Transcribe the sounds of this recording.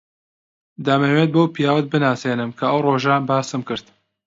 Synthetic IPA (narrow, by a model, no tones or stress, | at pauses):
d̪aːmemwet̪̚bowpʰijaːwɐt̪̚bɨnaːseːnɨmkʰɐəwroːʒaːnbaːsɨmkɨɾt̪